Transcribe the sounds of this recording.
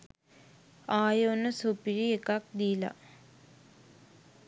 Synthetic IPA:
aːjonəsupiɾiekak̚d̪ila̰

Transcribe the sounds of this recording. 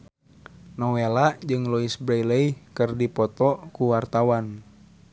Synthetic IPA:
nɔwelaʔd͡ʒɨŋlɔisbɾailəikɨrdipɔt̪ɔkuwart̪awan

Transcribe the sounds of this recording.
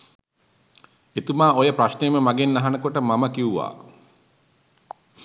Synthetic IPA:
et̪umaːojəpɾaʃnejəməmaɡenːaɦanəkoʈəmaməkiuʋa̰ː

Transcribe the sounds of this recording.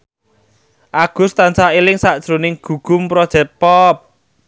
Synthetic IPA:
ʔaɡ̥ʊ̤st̪ansailɪŋsaʔd̥ʒ̥ɾonɪŋɡ̥ṳɡ̥ʊ̤mpɾɔd̥ʒ̥ɛ̤t̪̚pɔp̚

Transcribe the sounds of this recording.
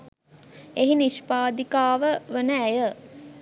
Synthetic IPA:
eɦiniʃpaːd̪ikaːʋəʋənəæjə

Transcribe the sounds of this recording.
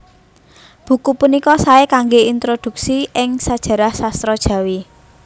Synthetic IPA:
b̥ṳkupunikɔsaekaŋɡeint̪ɾod̪̥ṳk̚siʔɪŋsad̥ʒ̥ä̤ɾahsast̪ɾɔd̥ʒ̥ä̤wi

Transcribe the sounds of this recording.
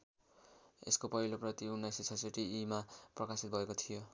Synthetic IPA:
ḛskopʌɦiloprʌt̪iunːajsit͡sʰʌseʈiːmaprʌkasit̪̚bʱʌekot̪ʰijo

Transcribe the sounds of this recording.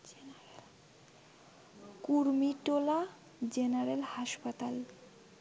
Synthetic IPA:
kuɾmiʈola | d͡ʑenaɾelhaʃpat̪al

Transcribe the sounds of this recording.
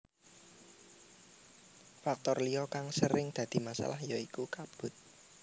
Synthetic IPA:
fak̚t̪ɔrliɔkaŋsəɾɪŋd̪̥ä̤d̪̥i̤masa̰lahjaikukab̥ʊ̤t̪̚

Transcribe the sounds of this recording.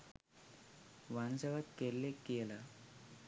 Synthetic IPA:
ʋansəʋat̪kelːekela

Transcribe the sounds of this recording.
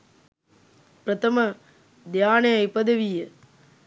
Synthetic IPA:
pɾɐt̪ʰɐmɐ | d̪jaːneɐjpɐd̪ɐʋijɐ

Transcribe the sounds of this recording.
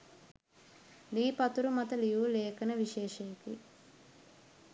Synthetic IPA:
liːpɐt̪uɾumɐt̪ɐlijuːleːkɐnɐʋiʃeːʃɐjɐkḭ

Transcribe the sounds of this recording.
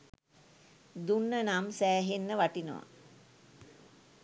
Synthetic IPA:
d̪unːənamsæːɦenːəʋaʈino̰ʋa̰

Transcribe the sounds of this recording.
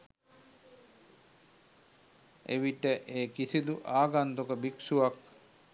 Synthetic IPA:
ḛʋiʈəʔeːkisid̪uʔaːɡant̪okəbiksuʋak

